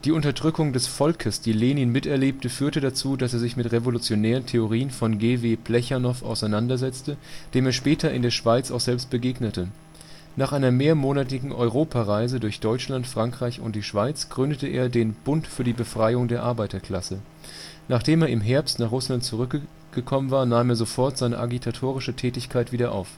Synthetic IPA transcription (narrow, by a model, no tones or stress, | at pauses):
d̥iːʊntɐdʁʏkʊŋdɛsfɔlkʰəsd̥iːleːniːnmɪtɛɐleːp̚təfyːɐtədat͡suːdaseːɐzɪçmɪtʁevolut͡sjonɛːʁ̞əntʰeoʁ̞iːənfɔnɡeːveːplɛçanɔfa̰ʊsaɪnandɐzɛt͡stəd̥eːmeːɐʃpɛːtʰɐɪ̰ndeːɐʃv̥aɪt͡saʊxz̥ɛlpst̚b̥əɡeːɡnətə | naːχʔaɪnɐmeːɐmoːnatɪɡŋ̩ʔɔʏʁoːpʰaʁaɪzədʊɐçd̥ɔʏt͡ʃlantfʁ̥aŋkʁ̥aɪçʊ̰nt̚d̥iːʃv̥aɪt͡sɡ̥ʁʏndətəʔḛːɐdeːnb̥ʊntfyːɐdiːbəfʁ̥aɪʊŋdeːɐʔaɐbaɪtɐkl̥asə | naːχd̥eːmeːɐɪmɦɛɐpstnaːχʁʊslant̚t͡suʁ̞ʏk | ɡ̥əkʰɔmənvaːɐnaːmeːɐzofɔɐtz̥aɪnə̰ʔaɡitʰatʰoːʁ̞ɪʃətʰɛːtɪçkʰaɪtv̥iːdɐʔa̰ʊf